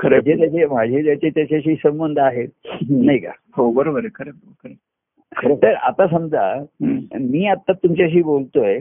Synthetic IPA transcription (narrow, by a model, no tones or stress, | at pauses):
kʰəɾed͡ʑʱet̪̬jat͡ɕem̤ad͡ʑʱet̪̬jat͡ɕet̪jaɕaɕ̬iːsəmbənd̪ʱəaɦet̪naika̰ | hobəɾobəɾekʰəɾe | kʰəɾe | kʰət̪əɾa̰t̪asəmd͡zʱa̰ | miːat̪ːat̪ːumt͡ɕaɕ̬iːbolt̪oe